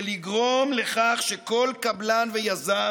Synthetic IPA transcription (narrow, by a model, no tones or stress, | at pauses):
liɡʁo̞mle̞χaχʃe̞ko̞lkablanvejaza